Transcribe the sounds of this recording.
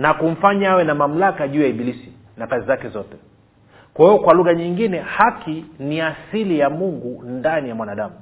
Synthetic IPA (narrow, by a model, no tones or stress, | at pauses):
nakum̩faɲaawɛnamam̩lakaʄuːjaiɓilisi | nakazizakɛzɔtɛ | kwahiɔkwaluɣaɲiŋɡinɛhakiniasilijamuŋɡundanijamwanaɗamu